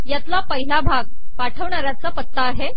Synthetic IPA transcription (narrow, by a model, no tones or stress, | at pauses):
jat̪lapəɦilabʱaɡ̚ | paʈʰəʋɳaɾjat͡sapət̪ːaːɦe